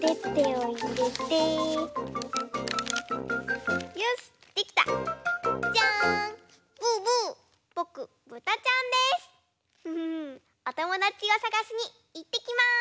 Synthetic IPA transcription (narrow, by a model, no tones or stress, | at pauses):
t̪et̪ːeoiɾet̪e | josɨ̥t̪ːe̞kʲi̥t̪a̰ | t͡ɕa | b̥ɯbɯ̟ː | b̥o̞kɯ̟ | bɯ̟t̪at͡ɕãnd̪e̞sɨ̥ | ɯ | ot̪o̞mo̞d̪at͡ɕiβosaɡaɕiɲ̟i | it̪ːe̞kʲima